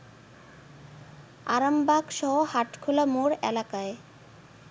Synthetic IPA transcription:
a̰ɾambaɡʃɔɦohaʈkʰolamoɾɛ̰lakae

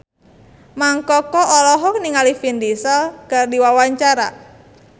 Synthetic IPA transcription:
maŋkɔkɔʔɔlɔɦɔk̚niŋalifind̪isɔlɡ̥ardiwawaɲt͡ʃaɾa̰

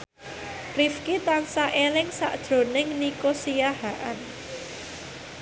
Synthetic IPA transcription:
rifkit̪ansaʔelɪŋsa̰ʔd̥ʒ̥ɾo̤nɪŋnikosijaɦaʔan

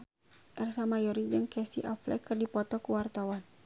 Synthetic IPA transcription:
ʔɛrsamajɔɾid͡ʒɨŋkɛsiʔaflɛ̰kɨrdipɔt̪ɔkuwart̪awan

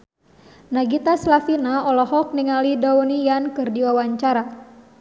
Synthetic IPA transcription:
naɡit̪aslafinaɔlɔɦɔk̚niŋalidɔunijankɨrdiwawaɲt͡ʃaɾa

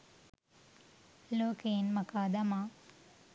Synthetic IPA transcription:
loːkeːnmakaːd̪ɐmaː

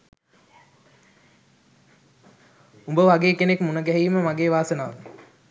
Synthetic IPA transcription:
umbəʋaɡeːkenekmunəɡɛɦiːməmaɡeːʋaːsənaːʋə

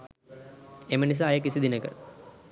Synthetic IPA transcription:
emənis̬aːjək̬isid̪inəkə̰

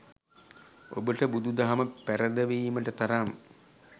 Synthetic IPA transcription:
o̰bəʈəbud̪ud̪aɦaməpæɾəd̪əʋiːməʈət̪aɾam

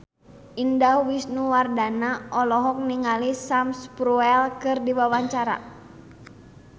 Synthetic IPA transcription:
ʔindawisnuwardanaʔɔlɔɦɔk̚niŋalisamspɾuɛlkɨrdiwawaɲt͡ʃaɾa̰

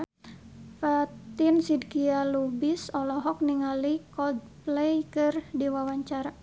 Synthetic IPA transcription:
fat̪ɪnsidkialubisɔlɔɦɔk̚niŋalikɔd̚plɛjkɨrdiwawaɲt͡ʃaɾa

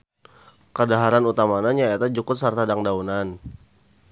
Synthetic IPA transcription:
kədaɦaɾanut̪amanaɲaet̪ad͡ʒukʊt̪̚sart̪adaŋdaunan

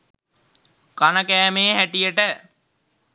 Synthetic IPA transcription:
kanəkæːmeːɦæʈijəʈə

